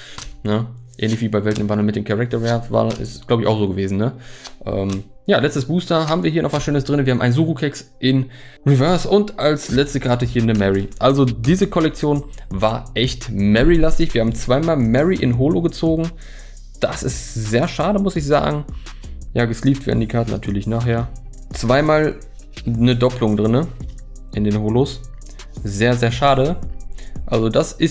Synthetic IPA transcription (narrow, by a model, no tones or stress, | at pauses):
nəʔɛ̰ːnlɪçviːbaɪvɛltnɪmvandl̩mɪtd̥eːmkʰaʁɛk̚tɐʁɛɐva̰ːɐɪ̰sɡ̥laʊbəɪçʔa̰ʊxz̥oːɡəveːzn̩nəʔɛ̰ːm | jaːlɛt͡stəsb̥uːstɐɦaːbm̩viːɐɦiɐnʔɔχvasʃøːnəsd̥ʁɪnviːɐhaːm̩ʔaɪnzuːʁukʰɛksʔɪn | ʁivɛɐsʊntalslɛt͡stəkʰaɐtəhiːɐnəmɛʁiʔalzodiːzəkʰɔlɛk̚t͡sjoːnvaːɐʔɛçtmɛʁilastɪçv̥iːɐhaːbmt͡sv̥aɪmaːlmɛʁiʔɪ̰nɦoːloɡət͡soːɡŋ̩ | d̥asɪ̰stz̥eːɐʃaːdəmʊsɪçz̥a̰ːɡŋ̩ | jaːɡəsliːptv̥ḛɐdn̩diːkʰaɐtn̩na̰tʰyːɐlɪçnaːχheːɐ | t͡sv̥aɪmaːl | nədɔplʊŋdʁɪnə | ʔɪndeːnhoːlos | zeːɐzeːɐʃaːɾə | ʔalzodasʔɪs